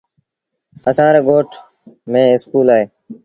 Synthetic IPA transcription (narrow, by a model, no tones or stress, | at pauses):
əsãːɾeːɡoːʈʰ | mẽːɪskuːlaːɦeː